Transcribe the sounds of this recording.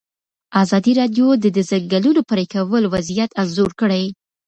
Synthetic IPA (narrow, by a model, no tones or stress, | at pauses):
ɑzɑd̪iɾɑdjod̪əd̪əzaŋɡalunopəɾekawəlwazijat̪anzoɾkəɽaj